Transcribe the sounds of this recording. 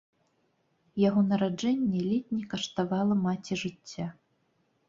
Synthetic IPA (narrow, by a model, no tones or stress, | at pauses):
jaɣɔnɐɾad͡ʐɛnʲːɛlʲɛt̪ʲnʲɛkɐʂt̪avalˠɐmat͡sʲiʐɨt͡sʲːa